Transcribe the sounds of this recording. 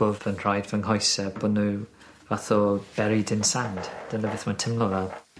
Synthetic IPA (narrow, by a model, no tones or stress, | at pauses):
ʊvənr̥ajdvɛŋɦɔjsəb̥odnu | vaθɔb̥ɛɾɪdɪnsand̥d̥ənəvɪθmantʰɪmlˠɔvalˠ